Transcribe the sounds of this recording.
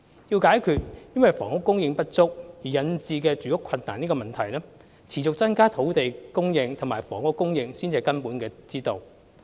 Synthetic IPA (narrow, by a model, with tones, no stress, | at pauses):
jiː˧wkaː˨˥jkʰyː˨˧t̚jɐ˥nwɐ˨jfɔː˨˩ŋʊ˥kːʊ˥ŋjɪ˧ŋpɐ˥t̚t͡sʊ˥k̚jiː˨˩jɐ˨nt͡siː˧kɛː˧t͡ʃyː˨˥jʊ˥kʰɐ˧nt̪aː˨niː˥kɔː˧mɐ˨nt̪ʰɐ˨˩jlɛː˥ | t͡sʰiː˨˩t͡sʊ˨k̚t͡sɐ˥nkaː˥t̪ʰo˨˥wt̪e˨jkʊ˥ŋjɪ˧ŋt̪ʰmaː˨˩jfɔː˨˩ŋʊ˥kːʊ˥ŋjɪ˧ŋsiː˥nt͡si˧ɐ˨jkɐ˥npuː˨˥nkɛː˧t͡siː˥t̪o˨w